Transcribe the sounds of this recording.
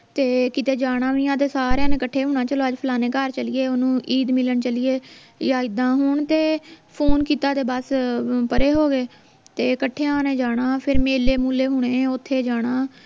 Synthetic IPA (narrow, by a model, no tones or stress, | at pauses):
t̪eːkɪt̪eːd͡ʒaːɽ̃ãːʋiːãːt̪eːsaːɾjãːnẽːkəʈʰːeːɦʊːɳ̃aːt͡ʃəloːəd͡ʒpʰəlaːnẽːkəɾt͡ʃəlijeːonũːʔiːd̪mɪləɳt͡ʃəliːeː | jaːɪd̪ãːɦʊːɳt̪eːpʰoːnkiːt̪aːt̪eːbəspəɾeːɦoːɡeː | t̪eːkəʈʰːeːãːneːd͡ʒaːɽ̃ãːpʰɪɾmeːleːmuːleːɦʊɽ̃eːʊt̪ʰːeːd͡ʒaːɽ̃aː